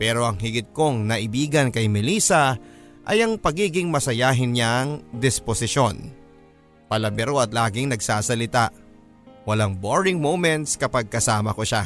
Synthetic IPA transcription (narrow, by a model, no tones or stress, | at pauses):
pɛːɾo̞ʔɐŋɦɪɡɪt̪̚ko̞ŋnɐʔɪbiːɡɐnkɐjmɪliːsɐʔɐjɐŋpɐɡiːɡɪŋmɐsɐjaːɦɪnɲaŋd̪ɪsposɪʃo̞n | pɐlɐbɛɾo̞ɐt̪laːɡɪŋnɐɡsaːsɐlɪt̪aʔ | wɐlaŋboɹɪŋmowmɛnt̪skɐpaɡ̚kɐsaːmɐko̞ʃa